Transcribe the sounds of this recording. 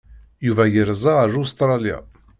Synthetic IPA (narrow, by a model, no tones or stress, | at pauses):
juvæjəɾzˤɑɾust̪ɾˤɑlja̰